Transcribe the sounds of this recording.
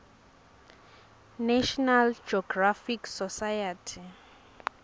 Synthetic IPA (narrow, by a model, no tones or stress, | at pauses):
naʃɔnald͡ʒɔɡrafiksɔsajatʰi